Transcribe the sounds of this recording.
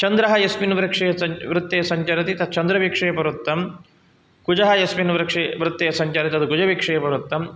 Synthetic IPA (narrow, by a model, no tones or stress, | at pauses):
t͡ʃɐnd̪ɾɐɦɐjɐsminʋɾɐkʂɐjɐɐʋɾɪt̪ːejɐsɐɲt͡ʃɐɾɐt̪it̪ɐt͡ʃɐnd̪ɾɐʋikʂɐjɐpɐɾut̪ːɐm | kud͡ʒɐɦɐjɐsminʋɾɐkʂeʋɾɪt̪ːeːjɐsɐɲt͡ʃaːɾit̪iɐd̪ukud͡ʒɐʋikʂɐjɐpɐɾut̪ːɐm